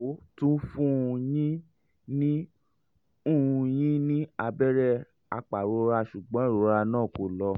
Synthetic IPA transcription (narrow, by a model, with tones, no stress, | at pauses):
o˨˦tũ˦fũ˦˧jĩ˦ | nĩ˦ | ũ˦˨˧j̃ĩ˦nĩ˦a˧bɛ˦ɾɛ˦˧ | a̰˧k͡pa˨ɾo˧ɾa˧ʃu˨ɡ͡bɔ̃˨˦˨ɾo˧ɾa˧nãː˦˨ko˨lɔ˧